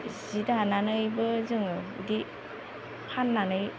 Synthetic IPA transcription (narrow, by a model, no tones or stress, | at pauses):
zidananɯjbɯzɯŋdi | pʰanːanɯj